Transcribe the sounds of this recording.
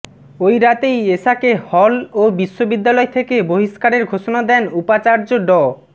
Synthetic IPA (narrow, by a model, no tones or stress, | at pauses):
ojɾat̪ejeʃakehɔlobiʃːobid̪ːalɔet̪ʰekeboɦiʃkaɾeɾɡʱoʃonad̪ɛnupat͡ɕaɾd͡ʑoɖɔ